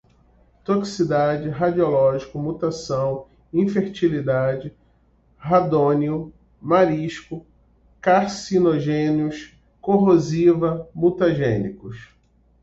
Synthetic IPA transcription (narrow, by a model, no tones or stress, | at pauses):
t̪oksid̪ad͡ʒɪɦad͡ʒiolɔʒikʊmut̪asɐ̃w̃ | ĩfeɾt͡ʃilid̪ad͡ʒɪ | ɦad̪õniʊ | maɾiʃkʊ | kaɾsinoʒẽniʊs | koɦozivɐmut̪aʒẽnikʊs